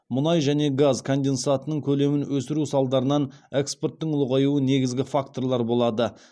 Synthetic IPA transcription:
mʊnɑjʒæne̞ɡazkʰond̪ʲe̞nsat̪ənəɴkʲʰɵle̞mɪnwɵsɪɾusɑlˠd̪ɑɾənɑneksport̪ːəɴʊlˠəʁɑjuəne̞ɡʲɪzɡʲɪfakt̪o̞rlˠɑɾbo̞lˠɑd̪ə

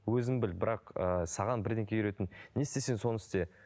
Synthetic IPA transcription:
wɵzɪmbɪlbɪɾɑqəsɑʁɑnbɪɾd̪eŋkʲejʏɾe̞t̪ɪnːe̞st̪e̞se̞nso̞nɪst̪e̞

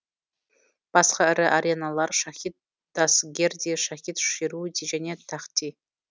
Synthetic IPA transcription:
b̥asχaɾɨʔaɾenalarʂaχʲit̪̚ | d̪̥asɡʲerdiʂaχʲit̪ʂiɾudid͡ʒanʲet̪ʰːaχtʼʰi

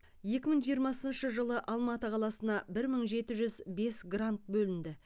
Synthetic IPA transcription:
je̞kʲɪməɴʒijəɾmɑsənʃəʒəlˠəʔɑlˠmɑt̪əqʰɑlˠɑsənɑbɪɾməɴʒe̞t̪ɪʒʏzbe̞sɡrant̪̚bɵlɪnd̪ɪ

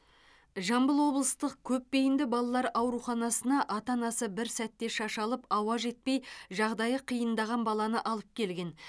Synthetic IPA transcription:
ʒɑmbəlˠwo̞blˠəst̪əq̚kʲʰɵpːe̞jɪnd̪ɪbɑlˠɑlˠɑɾɑwɾuχɑnɑsənɑʔɑt̪ɑnɑsəbɪɾsæt̪ːe̞ʃɑʃɑlˠəpɑwɑʒe̞t̪̚pe̞jʒɑʁd̪ɑjəqʰijənd̪ɑʁɑnbɑlˠɑnəʔɑlˠəp̚kʲʰe̞lɡʲe̞n

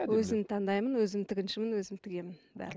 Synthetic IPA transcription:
wɵzɪmt̪ʰɑnd̪ɑjmənwɵzɪmt̪ʰɪɡʲɪnʃɪmɪnwɵzɪmt̪ʰɪɡʲe̞mɪnbæ̰ɾl

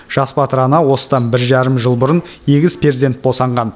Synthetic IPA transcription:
ʒ̥ɑspɑt̪əɾɑnɑwo̞sə̥d̪ɑnbɪɾʒɑɾəmʒəlˠbʊɾənjeɡʲɪzpʰezd̪e̞nt̪̚bo̞sɑɴʁɑn

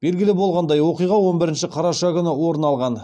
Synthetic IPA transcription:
b̥e̞lɡʲɪlɪbo̞lˠʁɑnd̪ɑjwo̞qijʁɑwo̞nbɪɾɪnʃɪqʰɑɾɑʃɑkʲʏnɪwo̞ɾənɑlˠʁɑn

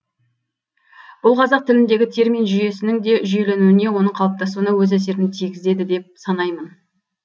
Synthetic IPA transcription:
b̥ʊlˠqʰɑzɑq̚t̪ʰɪlɪnd̪e̞ɡʲɪt̪ʰe̞ɾmijnʒʏje̞sɪnɪŋd̪e̞ʒʏje̞le̞nuɪne̞wo̞nəɴqʰɑlˠəp̚t̪ɑsuwənɑwɵzæs̬e̞ɾɪnɪt̪ʰijɡʲɪzd̪e̞d̪ɪd̪e̞p̚sɑnɑjmən

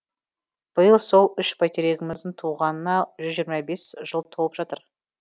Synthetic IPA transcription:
b̥əjəlˠso̞lˠʏʃpʰɑjt̪eɾeɡʲɪmɪzd̪ɪŋt̪ʰuʁɑnənɑʒʏzʒijɾmɑbe̞sʒəlˠt̪ʰo̞lˠəpʒɑt̪əɾ

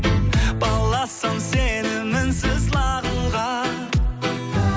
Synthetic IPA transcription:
b̥ɑlˠːɑsɑŋsenɪmːɪnsɪzlˠɑʁəɴʁɑ

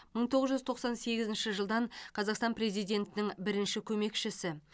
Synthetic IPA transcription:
məɴt̪ʰo̞ʁəzʒʏzt̪ʰo̞qsɑnse̞ɡʲɪzɪnʃɪʒəlˠd̪ɑɴqʰɑzɑqst̪ɑnpre̞zijd̪ʲe̞nt̪ɪnɪŋbɪɾɪnʃɪkʲʰɵme̞kʃɪsɪ

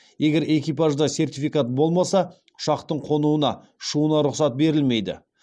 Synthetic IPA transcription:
e̞ɡʲe̞ɾe̞kʲijpaʒd̪ɑse̞rt̪ifijkat̪̚bo̞lˠmɑsɑ | ʊ̥ʃɑqt̪əɴqʰo̞nuənɑ | ʃuənɑɾʊqsɑt̪̚be̞ɾɪlme̞jd̪ɪ̰

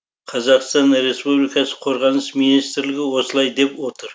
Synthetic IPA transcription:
qʰɑzɑqst̪ɑnɾe̞spublijkɑsəqʰo̞ɾʁɑnəsminist̪ɾlɪɡʲɪwo̞səlˠɑjd̪e̞pwo̞t̪əɾ

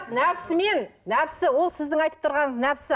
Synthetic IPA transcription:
næpsɪme̞nːæpsɪwo̞lˠsɪzd̪ɪŋɑjt̪ə̥p̚t̪ʰʊɾʁɑɴəznæpɪsɪ

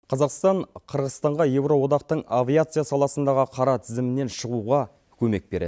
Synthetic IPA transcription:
qʰɑzɑqst̪ɑɴqʰəɾʁəzt̪ɑɴʁɑje̞wɾo̞wo̞d̪ɑq̚t̪əɴavʲijat̪sɨjasɑlˠɑsənd̪ɑʁəqʰɑɾɑt̪ʰɪzɪmɪnːe̞nʃəʁuʁɑ | kʲʰɵme̞k̚be̞ɾḛ

